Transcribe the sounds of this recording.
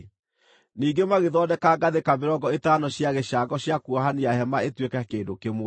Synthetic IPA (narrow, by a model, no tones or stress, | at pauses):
niːɡemaɣeðɔdɛkaɡaðekameɾɔɡɔetaːnɔɕjaɣeʃaɡɔɕjakuɔɦaniaɦɛmaetwekakeːdokemo